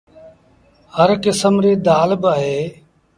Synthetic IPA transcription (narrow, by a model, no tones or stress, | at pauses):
həɾkɪsəmɾeːd̪aːlbaːɦeː